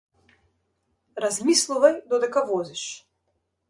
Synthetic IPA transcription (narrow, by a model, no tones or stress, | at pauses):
ɾazmislˠuvajd̪ɔd̪ɛkavɔziʃ